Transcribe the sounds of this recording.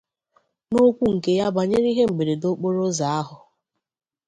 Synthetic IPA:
no˦kʷu˦ŋ̩˨ke˦ja˦ba˨ɲe˦ɾi˦ɦe˦ŋ͡m̩˨ɡ͡be˨ɾe˨do˦k͡po˦ɾo˦za˨a˦ɦʊ˨

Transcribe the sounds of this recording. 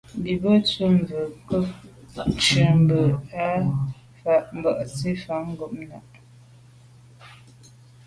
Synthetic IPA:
bi˨bə˦t͡sə˦m˨və˨kə˦ | t͡ʃə˨m˨bə˨a˦ | fa˨ʔm˦bə˦˨ʔt͡si˦fa˨˦ŋ̩˦ɡo˨ʔ̚na̰˨ʔ

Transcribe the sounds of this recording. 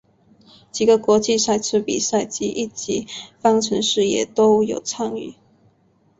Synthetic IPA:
t͡ɕi˨˩ɡə˦kwɔ˧˥t͡ɕi˥˧sa˥˩ɪt͡sʰɻ̩˥pḭ˨˩sa˥˩ɪt͡ɕi˥ʔi˥˩t͡ɕi˧˥fɑ˥ŋʈ͡ʂʰə˧˦nʂɻ̩˥˩jɛ˨˩t̪o˥ʊjo˨˩ʊt͡sʰɑ˥˧ŋy̰˥˩

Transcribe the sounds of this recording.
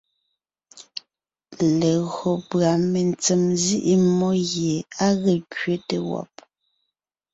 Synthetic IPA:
le˨ɣo˨pɰa˨me˨nt͡se˨mzi˦ʔi˦mɔ˦ɣje˨a˦ɣe˨kɥe˦te˨wɔ̰˨p̚

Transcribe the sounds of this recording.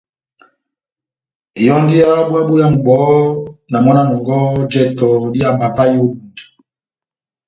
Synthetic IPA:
i˨jɔ˦ndi˦a˦ɓwa˦ɓu˦ja˦m̩˨ɡ͡bɔ˨˦na˨mɔ˦na˦nɔ˨ŋɡɔ˦d͡ʒɛ˦tɔ˨di˦a˨mba˨pa˦i˦o˦ɗu˨nda˨

